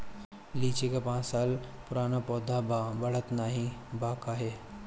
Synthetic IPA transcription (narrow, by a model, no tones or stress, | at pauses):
liːt͡ʃekapãːt͡ʃsaːlpʊɾaːnapɔːd̪ʱabʱabɐɭət̪naːɦĩbaːkaːɦe